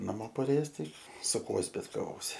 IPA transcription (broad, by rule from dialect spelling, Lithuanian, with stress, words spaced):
nɐˈmoː pɐˈrʲeːjɛs ˈtɐɪ sʊ ˈkuɔ zʲbʲɪtkɐˈʋoːsʲɪ